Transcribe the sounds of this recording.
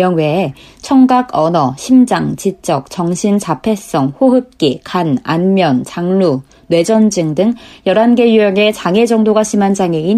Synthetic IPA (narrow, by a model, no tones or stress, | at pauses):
ʌŋwe̞ | t͡ɕʰʌŋɡaɡʌnʌɕʰimd͡ʑaŋt͡ɕit͡ɕ͈ʌk̚t͡ɕʌŋɕʰint͡ɕapʰe̞s͈ʌŋɸoɦɯp̚k͈ikana̰nmjʌnt͡ɕaŋlu | nwe̞d͡ʑʌnd͡ʑɯŋdɯŋjʌɾanɡe̞juʌŋe̞t͡ɕaŋe̞d͡ʑʌŋdoɡaɕʰimand͡ʑaŋein